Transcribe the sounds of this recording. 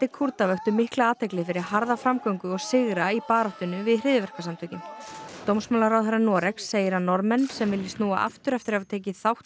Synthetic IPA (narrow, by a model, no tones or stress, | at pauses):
t̪ɪkʰuɾt̪avœht̪ʏmɪhklaaːt̪ʰɛklɪfɪɾɪɾaɦaɾðafɾamkawŋkʏɔɣsɪɣɾaipaːɾɔht̪ʏnːʏvɪðrɪːðʏvɛr̥kasamt̪ʰʏcɪmt̪owmsmawlaɾawaɾanɔːɾɛksːeːjɪɾanːɔɾmɛnːsɛmvɪlːɪst̪nuːa̰ʔa̰ft̪ʏɾɛft̪ɪɾavat̪ʰeːcɪθawht̪